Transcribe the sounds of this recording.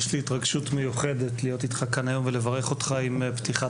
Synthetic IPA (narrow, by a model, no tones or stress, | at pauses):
ʃliit̪ʁaɡʃutmejuχe̞de̞t̪lijo̞t̪it̪χakːanajo̞mvelevaʁeχo̞t̪χaimpt̪iχa